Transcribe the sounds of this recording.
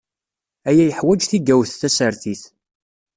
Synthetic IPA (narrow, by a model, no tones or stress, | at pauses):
æjæjəħwæd͡ʒθiɡæwθːæsəɾθiθ